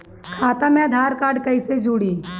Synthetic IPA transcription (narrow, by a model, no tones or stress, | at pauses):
kʰaːt̪amẽɐd̪ʱaːɾkaːɾɖkɐised͡ʒuːɽiː